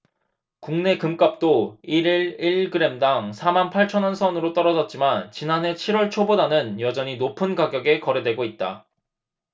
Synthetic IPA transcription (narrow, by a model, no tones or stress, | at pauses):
kuŋne̞kɯmk͈ap̚t͈oiɾiɾiɭɡɯɾe̞mdaŋsʰamanpʰaɭt͡ɕʰʌnʌnsʰʌnɯɾot͈ʌɾʌd͡ʑʌt̚t͡ɕ͈imant͡ɕinanɦe̞t͡ɕʰiɾwʌɭt͡ɕʰobodanɯnjʌd͡ʑʌɲinopʰɯnkaɡjʌɡe̞kʌɾe̞dweɡoit̚t͈a̰